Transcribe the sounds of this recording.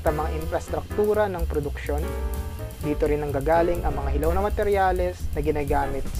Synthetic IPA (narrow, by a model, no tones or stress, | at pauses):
t̪ɐŋmɐŋaʔɪnfɾɐst̪ɾɐk̚t̪uːɾɐnɐŋpɾod̪ʊkʃo̞n | d̪iːt̪o̞ɾɪnɐŋɡaːɡaːlɪŋʔɐŋmɐŋahɪlɐwnɐmɐt̪ɛɾjaːlɛsnɐɡɪnaːɡaːmɪt̪̚s